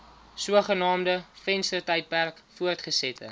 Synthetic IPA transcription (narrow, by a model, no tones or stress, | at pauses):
suəχənɑːmdəfɛnstərtɛjt̚pærkfuərtχəsɛtʰə̰